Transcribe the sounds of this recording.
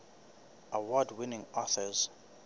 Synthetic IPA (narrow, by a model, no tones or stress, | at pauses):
ʔawɔdwinĩŋɔθəz̥